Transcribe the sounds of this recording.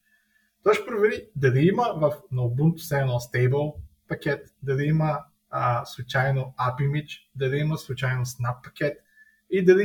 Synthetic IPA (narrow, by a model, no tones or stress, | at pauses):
t̪ɔjʃɛ̥pɾovɛɾid̪ɐliiməvɐfnowbunt̪sɛnost̪ɛjbəlˠpɐkʲɛt̪d̪ɐliimə | slˠʊt͡ʃajnoapimit͡ʃd̪ɐliiməslˠut͡ʃajnosnapːɐ̥kʲɛt̪ | id̪ɐli